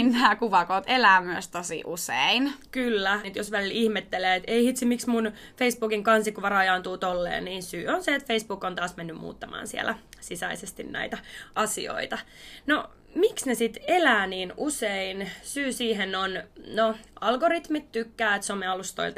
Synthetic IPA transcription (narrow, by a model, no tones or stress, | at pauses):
innæːkuʋɑkoːt̪elæːmyøst̪osḭʔuseinkylːæt̪josʋælilihmet̪ːeleːet̪eihit̪simiksmunfeisb̥uːkiŋkɑnsikːuʋɑrɑjɑːnt̪uːt̪olːḛːnniːnsyːonseet̪feisb̥uːkːont̪ɑːsmenːymmṵːt̪ːɑmɑ̰ːnsiḛlæ̰sisæisest̪innæ̰it̪æɑsḭo̰it̪ɑno | miksnesit̪elæːniːnuseinsyːsiːɦenonnoɑlɡorit̪mit̪t̪ykːæːet̪someɑlust̪o̰ilt̪